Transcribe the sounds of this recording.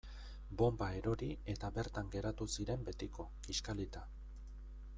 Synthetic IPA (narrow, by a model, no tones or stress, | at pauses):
bo̞mbae̞ɾo̞ɾie̞t̪aβe̞ɾt̪aŋɡe̞ɾat̪usiɾe̞mbe̞t̪iko̞kiskalit̪a